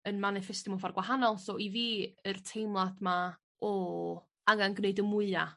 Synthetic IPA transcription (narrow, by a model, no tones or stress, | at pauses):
ənmanɪfɛstɪmɔfarɡwaɦanɔlˠsɔʔiviːərtʰejmlˠad̥ma | ɔ | aŋanɡneɨdəmʊɨa